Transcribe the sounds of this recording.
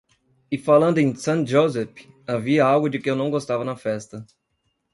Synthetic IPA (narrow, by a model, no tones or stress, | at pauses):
ɪfalɐ̃nd̪ʊẽj̃sɐ̃ʒozɛf | aviɐawɡʊd͡ʒɪkɪewnɐ̃w̃ɡost̪avɐnɐfɛst̪ɐ